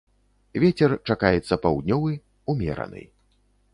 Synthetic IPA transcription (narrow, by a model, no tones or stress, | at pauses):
vʲɛt͡sʲɛrt͡ʂakajɛt̪sːɐpawd̪ʲnʲɔvɨ | umʲɛ̰ɾɐ̰nɨ̰j